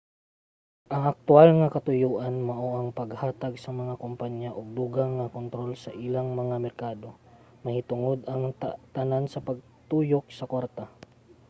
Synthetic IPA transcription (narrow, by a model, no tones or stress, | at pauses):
ʔɐŋʔɐk̚t̪ʊalŋɐkɐt̪ʊjuːʔɐnmɐʔoʔɐŋpɐɡhaːt̪ɐɡsɐmɐŋakompaɲjaʔoɡ̚d̪uɡaŋːɐkont̪ɾo̞lsɐʔɪlaŋmɐŋamɛɾkaːd̪o̞ | mɐhɪt̪ʊŋod̪ɐŋt̪ɐnansɐpɐɡ̚ | t̪uːjok̚sɐkwaɾt̪ɐ